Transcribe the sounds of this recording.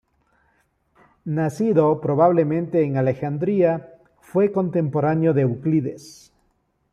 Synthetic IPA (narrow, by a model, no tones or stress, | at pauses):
nasiðo̞pɾo̞βaβle̞mẽ̞nt̪e̞ːŋalexand̪ɾia | fwe̞ko̞nt̪e̞mpo̞ɾanjoðe̞ukliðḛs